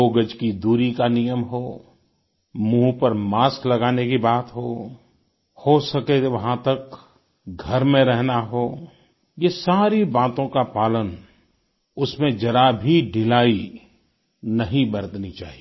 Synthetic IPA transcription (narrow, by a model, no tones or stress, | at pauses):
oːɡəd͡ʒkid̪uːɾikanɪjəmɦoː | mũːɦpɐɾmaːsklɐɡaːnekibaːt̪ɦoː | hosɐkeʋɐɦãt̪ɐk | ɡʱɐɾmẽɾɛɦnaɦoː | jesaːɾibaːt̪õkapaːlən | ʊsmẽd͡ʒɐɾabʱiɖʱɪlaːi | nɐɦĩbɐɾət̪nit͡ʃa̰ːɦie